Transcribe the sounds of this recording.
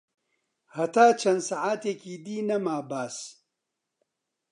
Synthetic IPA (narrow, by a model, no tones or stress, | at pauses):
hɐt̪aːt͡ʃʰɐnd̪saʕaːt̪eːkiːd̪iːnɐmaːbaːs